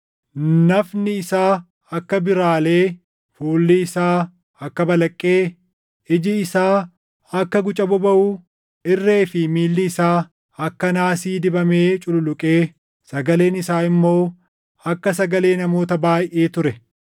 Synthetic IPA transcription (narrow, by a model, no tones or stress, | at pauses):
nɐfnɪɪsaː | ɐkːɐbɪɾaːle̞ː | fuːlːɪːsaː | ɐkːɐbɐlɐkʼːe̞ː | ɪd͡ʒɪːsaː | ɐkːɐɡʊt͡ʃʼɐbɔbɐʔuː | ɪrːe̞ːfɪmiːlːɪːsaː | ɐkːɐnaːsiːd̪ɪbɐmeːt͡ʃʼʊlʊlʊkʼe̞ː | sɐɡɐle̞ːnɪsaːɪmːo̞ː | ɐkːɐs̬ɐɡɐle̞ːnɐmo̞ːt̪ɐbaːjʔeːt̪ʊɾɛ